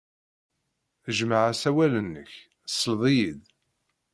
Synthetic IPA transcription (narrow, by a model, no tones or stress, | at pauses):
θəʒmaʕasæwælənːə̰ç | sːəlðˤijið